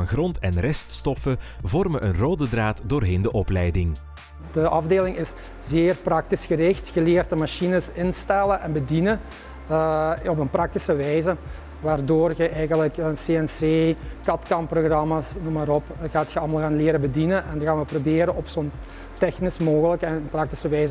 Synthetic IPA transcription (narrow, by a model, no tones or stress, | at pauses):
nɣrɔntɛnrɛststɔfəvɔrməʔənroːdədraːtdoːrɦeːndəʔɔplɛjdɪŋ | d̥əʔɑvdeːlɪŋɪs | zeːrprɑk̚tisxərɪxtxəleːrtəmaʃinəsɪnstɛlənʔɛnbədinə | ɔpənprɑk̚tisəʋɛjzə | ʋaːrdoːrɣəʔɛjɣənləkənseːɛnseːkɑtkɑmproɣrɑmaːsnumaːɾɔpɣaːtxəɑlˠmɑlˠɣaːnlɪːɾəbədinənʔɛnɣaːnʋəprobeːɾənɔpsoən | tɛxnɪsmoːɣələknənprɑk̚ti̥səʋɛjzə